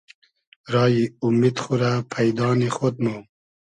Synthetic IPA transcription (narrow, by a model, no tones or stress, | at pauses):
ɾɑːjiumid̪xuɾapʰajd̪ɑːnixot̪̚mu